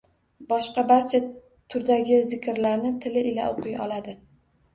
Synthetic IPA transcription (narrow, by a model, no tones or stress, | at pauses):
bɒʃqɑbaɾt͡ʃʰa | t̪ʰʊɾd̪aɡʲɪzɪkʲʰɾlaɾnɪt̪ʰɪlɪʔɪla̰ʔoqʰɨjɒ̰lad̪ɪ